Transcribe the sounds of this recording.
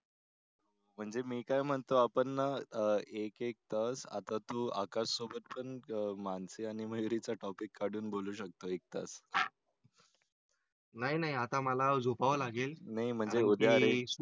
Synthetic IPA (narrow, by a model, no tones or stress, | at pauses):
o | m̤əɳd͡zemiːkajm̤əɳt̪oapənːa | ekek̚t̪əsa̰t̪at̪uːa̰kassobət̪̚pəɳmansiaɽ̃im̤əjuɾit͡saʈɔpikːaɽ̤uːnboluːɕək̚t̪oek̚t̪a̰s | naɦinaɦiat̪aməlad͡zupaʋlaɡelnaɦim̤əɳd͡zeud̪ʱjaɾe